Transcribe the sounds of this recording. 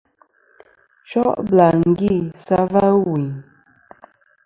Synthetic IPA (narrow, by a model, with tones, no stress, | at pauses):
t͡ʃɔ˦ʔbla˨ŋ̩˨ɡi˦˨sa˦va˦wu˨ɲ